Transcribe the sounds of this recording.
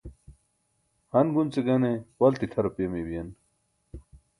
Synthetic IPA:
hɐnɡunt͡seɡɐnewɐlt̪it̪ʰɐɾɐpemebijɐn

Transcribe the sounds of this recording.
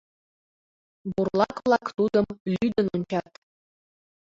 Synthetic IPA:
burlˠɑklˠɑkt̪ud̪ɤ̆mlʲyd̪ɘ̆nunʲt͡ɕɑt̪

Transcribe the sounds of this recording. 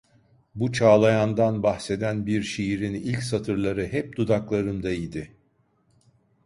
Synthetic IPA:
but͡ʃʰaːlˠajand̪anbaxse̞d̪ænbiɾʃijiɾinilʲcsat̪ʰɯɾlˠaɾɯɦɛp̚d̪̥ud̪aklˠaɾɯnd̪aid̪ɪ

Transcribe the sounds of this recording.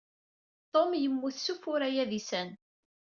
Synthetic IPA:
t̪ˤomjəmːuθsufʊɾæjæðisæn

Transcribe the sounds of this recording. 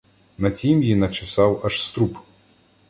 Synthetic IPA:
nɐt͡sʲimjinɐt͡ʃɪsɑwɐʂst̪ɾup

